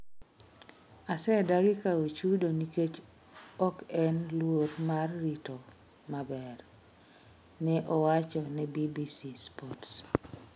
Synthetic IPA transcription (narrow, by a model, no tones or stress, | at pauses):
asɛdaɡɪkawet͡ʃudoniket͡ʃ | ɔkɛnlwoɾmarːito | mabɛr | nɛʔɔwat͡ʃɔnɛbibisispɔts